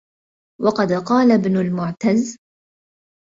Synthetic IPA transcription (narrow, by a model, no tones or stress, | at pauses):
wɑqɑd̪qɑːlabnʊlmʊʕt̪az